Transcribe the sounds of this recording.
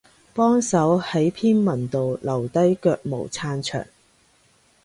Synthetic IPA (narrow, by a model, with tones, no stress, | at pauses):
pɔː˥ŋsɐ˨˥whɐ˨˥jpʰiː˥nmɐ˨˩nt̪o˨wlɐ˨˩wt̪ɐ˥jkœː˧k̚mo̰˨˩wt͡sʰaː˧nt͡ʃʰœ̰ː˨˩ŋ